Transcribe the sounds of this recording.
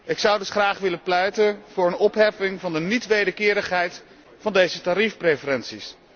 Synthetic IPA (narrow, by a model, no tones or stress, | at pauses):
ɪksʌwdɵsχraːχʋɪləplɛjtənv̥ʊːɹənɔpɦɛfɪŋvɑndənitʋejdəɹkɪːɾəχɦɛjt | fɑndejzətaːɾifprejfəɾɛnsis